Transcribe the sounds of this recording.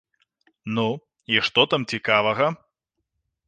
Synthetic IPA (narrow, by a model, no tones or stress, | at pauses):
nu | iʂt̪ɔt̪amt͡sʲikavɐɣɐ